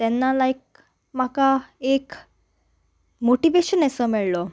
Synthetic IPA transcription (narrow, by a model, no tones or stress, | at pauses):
t̪ɛnːalajk̚ | makaek | moʈiʋeɕənɛsɔmiɭlɔ